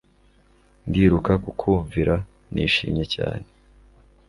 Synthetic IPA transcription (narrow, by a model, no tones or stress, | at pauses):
ndiːɾukakukʰuːɱviɾa | nḭːʃiːmɲe̞ca̰ːne